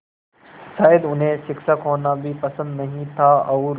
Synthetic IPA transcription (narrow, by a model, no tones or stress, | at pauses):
ʃaːjəd̪ʊnɦẽʃɪkʃakɦoːnabʱipɐsə̃nd̪nɐɦĩt̪ʰaɐuɾ